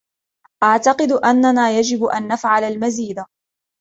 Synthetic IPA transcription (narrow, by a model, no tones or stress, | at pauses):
ʔaʕt̪ɑqɨd̪ʔanːanaːjad͡ʒɪbʔanːafʕalalmaziːd̪a